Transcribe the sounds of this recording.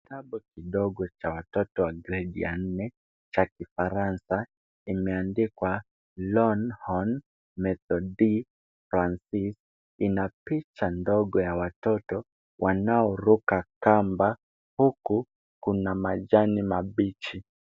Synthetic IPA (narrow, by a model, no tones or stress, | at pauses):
kitaɓukiɗɔɡɔt͡ʃawatɔtɔwaɡɾɛɗḭa̰n̩nɛ | t͡ʃakifaɾansa | imɛandikwa | lɔnhɔn | mɛtɔɗi | fɾansis | inapit͡ʃandɔɠɔjawatɔtɔ | wʔanaɔɾukakamba | huku | kunamaʄanimaɓit͡ʃi